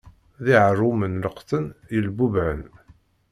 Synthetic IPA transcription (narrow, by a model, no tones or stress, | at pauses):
ðiʕəɾˤumənləqθənjəlbubʕən